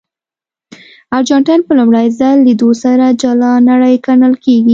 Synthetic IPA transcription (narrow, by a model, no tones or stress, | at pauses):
aɾd͡ʒɑɳʈajnpəlʊmɽajzalːid̪osaɾad͡ʒalɑnaɽəjkanəlkeɡi